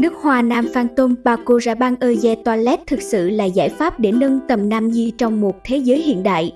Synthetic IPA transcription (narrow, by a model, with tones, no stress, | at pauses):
nɨ˦˥ək̚hwaː˨naː˧mfaː˧nt̪o˧mɓaː˧ko˧zaː˧ɓaː˧ŋʔəː˧zɛ˧t̪waː˧lɛ˦˥t̚t̪ʰɨ˨˩k̚sɨ̰˧˨laː˨˩zaː˧˩jfaː˦˥p̚ɗe˧˩nə˧nt̪ə˨˩mnaː˧mzi˧t͡ɕɔ˧wŋ͡mmo˨˩t̚t̪ʰe˨˦zəː˨˦jhḭ˧˨ənɗa̰ː˧˨j